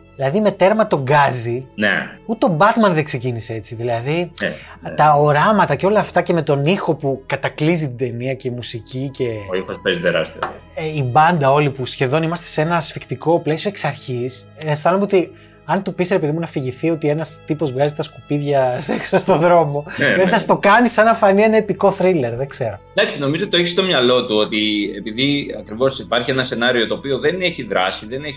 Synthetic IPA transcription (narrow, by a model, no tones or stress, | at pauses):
ðilɐðime̞t̪e̞ɾmɐt̪o̞ɡɐzinḛut̪et̪obɐt̪mɐnðekse̞cinisee̞t͡siðilɐði | t̪ɐoɾɐmɐt̪ɐce̞o̞lɐːft̪ɐce̞me̞t̪o̞nixo̞pukɐt̪ɐklizit̪id̪e̞niɐce̞imusicice̞ixospezit̪eɾɐ̰st̪io̰ | ibɐnd̪ɐo̞lipusçe̞ðo̞nimɐst̪e̞se̞nɐːsfikt̪iko̞ple̞sio̞eksɐɾçisest̪ɐnomeot̪i | ɐnt̪upisɾe̞peðimunɐfiʝiθio̞t̪ie̞nɐst̪ipo̞zvɣɐzit̪ɐskupiðʝɐseksost̪oðɾo̞mo̞ɐðiθɐst̪o̞kɐnisɐnɐfɐnie̞nɐepiko̞θɾile̞ɾðeɡze̞ɾod̪ɐksino̞mizoot̪it̪oeçist̪omɲɐlo̞t̪uo̞t̪iepiðiɐ̰kɾivo̞sipɐɾçienɐse̞nɐɾio̞t̪o̞ːpio̞ðe̞ne̞çiðɾɐsiðe̞neç